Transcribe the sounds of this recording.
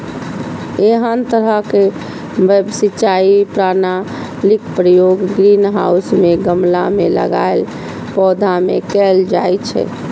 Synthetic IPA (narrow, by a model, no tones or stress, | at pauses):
eɦənt̪əɾəɦke | bɛbsit͡ʃaipɾana | likpɾəjoɡɡɾinɦa̰usmeɡəmla̰melə̰ɡa̰el | pɔd̪ʱamḛkɛld͡ʒajt͡ʃʰɛ̰